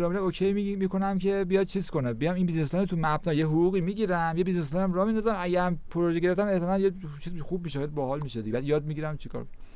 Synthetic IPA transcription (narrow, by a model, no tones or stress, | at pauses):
ɾɒːmiɾæmokʰejmikʰo̞næmcʰe̞bijɒd̪̥̚t͡ʃʰiz̥kʰo̞nebijɒminbizneslɒnet̪ʰumæbnɒːjeɦuɣuːɣiːmiɟiɾæmjebizneslɑnæmɾɒmind̪ɒzæmæɟæɾmpʰoɾoʒeɟe̞ɾeft̪æmeht̪ʰenænjet͡ʃʰiːzxub̚miːʃeed̪̚bɒhɒlmiʃed̪iɟebæd̪jɒːd̪̚miɟiɾæmt͡ʃʰikʰɒ̰ɾkon